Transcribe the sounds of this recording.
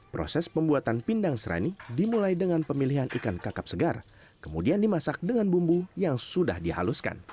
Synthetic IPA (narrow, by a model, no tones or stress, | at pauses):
pɾo̰sɛspəmbuat̪anpindaŋsəɾʔa̰nidimulajdəŋanpəmiliɦanʔikankakap̚səɡar | kəmudiandimasak̚dəŋanbumbujaŋsuda̰hdiha̰luska̰n